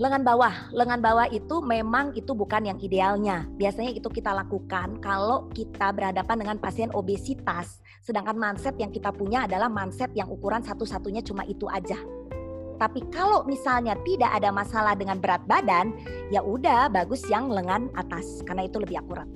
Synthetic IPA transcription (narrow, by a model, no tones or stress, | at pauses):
ləŋanbawahləŋanbawahit̪umemaŋit̪ubukanjaŋidealɲabiasaɲait̪ukit̪alakukankalokit̪abərhadapandəŋanpasiɛnobesit̪asː | ədaŋkanmansɛt̪̚jaŋkit̪apuɲaːdalahmansɛt̪̚jaŋʔukuɾansat̪usat̪uɲat͡ʃuma̰ʔit̪uʔad͡ʒa | t̪apikalomisalɲat̪idaʔadamasalahdəŋanbəɾat̪̚badanjaʔudahbaɡʊsjaŋləŋanat̪askarnait̪uləbɪhakuɾat̪̚